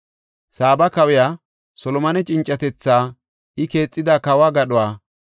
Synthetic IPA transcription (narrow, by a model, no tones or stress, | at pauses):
saːbɐkɐwɪjaː | sɔlɔmɐnɛt͡ʃʼɪnt͡ʃʼːɐt̪ɛt͡sːaː | ɪke̞ːt͡sʼːɪd̪aːkɐwaɡɐɗʊwaː